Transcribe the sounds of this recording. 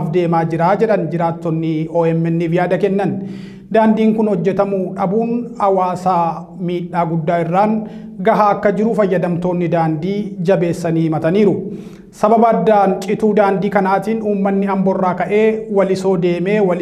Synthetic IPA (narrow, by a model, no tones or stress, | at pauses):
fd̪e̞ːmaːd͡ʒɪɾaːd͡ʒɛᶑɐnd͡ʒɪɾaːt̪ːɔnːɪoːɛmːɛnːɪvɪjaːd̪ɐkɛnːɐn | d̪aːnd̪iːŋkʊnhɔd͡ʒːɛt̪ɐmʊᶑɐbuːnɐwaːsaː | miːᶑːaːɡʊd̪ːaːɪrːaːŋ | ɡɐɦaːɐkːɐd͡ʒɪɾʊfɐjːɐd̪ɐmt̪o̞ːnːɪd̪aːnd̪iːd͡ʒɐbe̞ːsːɐniːmɐt̪ɐniːɾʊ | sɐbɐbɐːd̪ːaːnt͡ʃʼɪt̪uːd̪aːnd̪iːkɐnaːt̪iːnuːmːɐnːɪɐmbɔrːaːkɐʔe̞ːwɐlɪso̞ːd̪e̞ːme̞ːwɐl